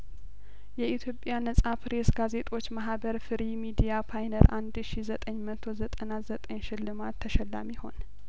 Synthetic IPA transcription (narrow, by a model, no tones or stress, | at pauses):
jɛʔit̪ʰjo̞pʼjanəsʼapʰɾe̞sɡaze̞t̪ʼo̞t͡ʃːmaɦbəɾfɨɾimid̪ijapʰajnəɾʔand̪ʃizət̪ʼəɲːmət̪ʰo̞zət̪ʼənazət̪ʼəɲʃɪlːɨmat̪ʰːəʃɛlːa̰miho̞̰n